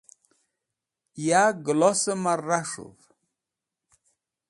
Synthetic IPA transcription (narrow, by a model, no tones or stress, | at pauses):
jaɡlosəmarːaʂṵv